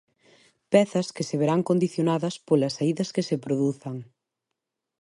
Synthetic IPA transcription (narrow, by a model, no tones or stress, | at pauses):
pɛθɐskeseβeɾaŋkond̪iθjonaðɐspolɐsaiðɐskesepɾoðuθɐŋ